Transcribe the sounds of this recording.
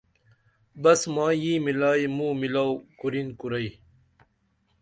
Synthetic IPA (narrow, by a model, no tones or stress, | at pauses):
bɐsmãːjiːmilaːjmũːmilawkuɾinkuɾɐj